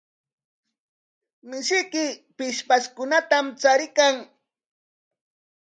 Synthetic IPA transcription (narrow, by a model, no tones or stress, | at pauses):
mɪʃɪjkɪpɪʃpaskʊnat̪amt͡saɾɪkaŋ